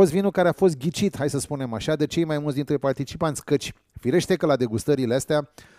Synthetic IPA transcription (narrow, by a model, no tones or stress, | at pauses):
ost̪vinukaɾeafo̞s̬t̪̚ɡʲit͡ʃit̪hajsəspunemaʃad̪et͡ʃejmajmult̪sd̪int̪ɾepart̪it͡ʃipant̪sʲkət͡ʃʲ | fiɾe̞ʃt̪e̞kəlad̪e̞ɡust̪əɾileast̪ea